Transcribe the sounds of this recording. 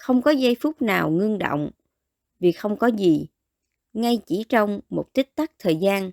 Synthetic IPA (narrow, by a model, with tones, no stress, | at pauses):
xə˧wŋ͡mkɔ˨˦za˧jfʊ˦˥k͡p̚naː˨˩wŋɨ˧əŋɗo̰˧˨wŋ͡m | vi˨˩xə˧wŋ͡mkɔ˨˦zi˨˩ | ŋa˧jt͡ɕi˧˩t͡ɕɔ˧wŋ͡mmo˨˩t̚t̪i˦˥k̚t̪a˦˥k̚t̪ʰəː˨˩jzaː˧n